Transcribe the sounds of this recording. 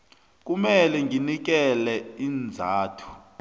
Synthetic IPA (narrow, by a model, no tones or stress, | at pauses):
k̬umɛlɛŋʱinik̬ɛlɛind͡zʱaːtʰu̥